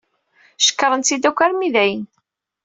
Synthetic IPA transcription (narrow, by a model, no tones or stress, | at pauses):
ʃə̥kːəɾˤənt͡sid̪ækʷːæɾmiðæjən